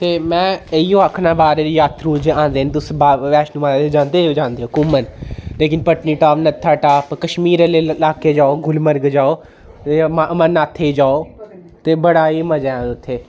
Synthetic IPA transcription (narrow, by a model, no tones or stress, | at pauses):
t̪eːmɛ̃ːəiːõːakʰnaːbaːɾeːdjaːt̪ɾuːd͡ʒãːnd̪eːənt̪ʊsbaʋɛːʃnũːmaːlaːd̪ed͡ʒãːnd̪eːd͡ʒãːnd̪eːoːkʊmənleːkɪnpəʈniːʈaːʋnət̪ʰːaːʈaːpkəʃmiːɾeːlelaːkeːd͡ʒaːoːɡʊlməɾɡd͡ʒaːoː | emmə̃naːt̪ʰːed͡ʒaːoː | t̪eːbəɽaːiːməd͡ʒaãːʊt̪ʰːeː